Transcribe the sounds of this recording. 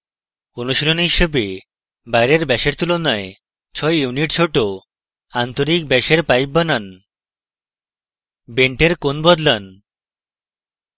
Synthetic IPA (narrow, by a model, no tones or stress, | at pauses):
konoʃilonɦiʃebe | bajɾeɾbɛʃeɾt̪ulonae | t͡ɕʰɔejuniʈt͡ɕʰoʈo | ant̪oɾik̚bɛʃeɾpajp̚banan | beɳʈeɾkonbɔd̪lan